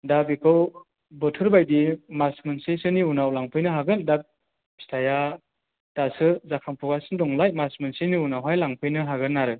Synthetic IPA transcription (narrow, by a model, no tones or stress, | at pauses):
dabikʰɯw | bɔtʰɯɾbajdimasmɯnsesɯniunawlaŋpʰɯjnɯɦaɡɯndap̚ | bi̥stʰaja | d̥asɯzakʰaŋpʰuɡasɯndɔŋlajmasmɯnseniunawɦajlaŋpʰɯjnɯɦaɡɯnːaɾɯ